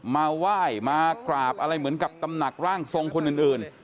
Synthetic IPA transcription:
maː˧waː˥˩jmaː˧kɾaː˨˩p̚ʔa˧ɾa˧jmɯ˩˦nka˨˩p̚ka˧mna˨˩k̚ɾaː˥˩ŋso˧ŋkʰo˧nʔɯː˨˩nʔɯː˨˩n

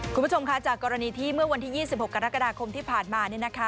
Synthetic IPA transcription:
kʰu˧mbu˦˥t͡ɕʰo˧mkʰa˦˥t͡ɕaː˨˩kːɔː˧ɾa˧niː˧t̪ʰiː˥˩mɯ˥˩ɐwa˧nt̪ʰiː˥˩jiː˥˩si˨˩p̚ho˨˩kːa˧ɾa˦˥ka˧daː˧kʰo˧mt̪ʰiː˥˩pʰaː˨˩nmaː˧ni˥˩ɐna˦˥kʰa˦˥

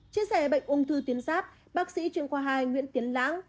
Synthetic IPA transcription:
t͡ɕi˧əsɛ˧˩ha˨˩ɓə̰˧˨jŋ̟ʔu˧ŋ͡mt̪ʰɨ˧t̪i˨˦ənsaː˦˥t̚ | ɓaː˦˥k̚sḭ˧˥t͡ɕi˧˨əŋkwaː˧˩ɦaː˧˩jŋwḭ˧˥ənt̪i˨˦ənla̰ː˧˥ŋ

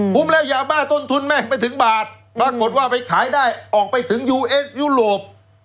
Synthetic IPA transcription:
kʰu˧˦˥mlɛː˦˥˩wjaː˧maː˥˩t̪o˥˩nt̪ʰu˧nmɛː˥˩pa˧jt̪ʰɯ˩˦ŋbaː˨˩t̪̚ | a˧˩kːo˨˩t̪̚waː˥˩pa˧jkʰaː˩˦jdaː˥˩jʔɔː˨˩k̚pa˧jt̪ʰɯ˩˦ŋjuː˧ʔeː˦˥sjuː˥˩ɾoː˨˩p̚

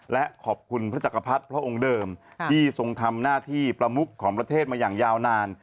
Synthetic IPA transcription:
lɛ˦˥ʔkʰɔː˨˩p̚kʰu˧npʰɾa˦˥t͡ɕa˨˩kːa˧pʰa˦˥t̪̚pʰɾa˦˥ʔo˧ŋdɤː˧mʰiː˥˩so˧ŋt̪ʰa˧mnaː˥˩t̪ʰiː˥˩pɾa˧mu˦˥kʰːɔː˩˦ŋpɾa˧t̪ʰeː˥˩t̪̚maː˧jaː˨˩ŋjaː˧wnaː˧n

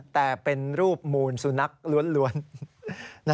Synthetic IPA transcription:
t̪ɛː˨˩pe˧nɾuː˥˩p̚muː˧nsu˨˩na˦˥k̚lu˧˦˥ənlu˦˥ənː | a˦

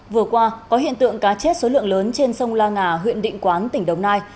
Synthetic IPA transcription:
vɨ˨˩əkwaː˧kɔ˨˦ɦḭ˧˨ənt̪ɨ̰˧˨əŋkaː˨˦t͡ɕe˦˥t̚so˨˦lɨ̰˧˨əŋləː˨˦nt͡ɕe˧nsə˧wŋ͡mlaː˧ŋaː˨˩ɦwḭ˧˨ənɗḭ̈˧˨ŋ̟kwaː˨˦nt̪ï˧˩ŋ̟ɗə˨˩wŋ͡mnaː˧j

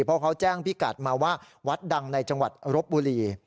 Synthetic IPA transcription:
pʰɔː˥˩kʰa˦˥wt͡ɕɛː˥˩ŋpi˦˥˩ka̰˨˩t̪̚maː˧waː˥˩ | wa˦˥t̪̚da˧ŋna˧jt͡ɕa˧ŋwa̰˨˩t̪̚ɾo˦˥p̚buː˧liː˧

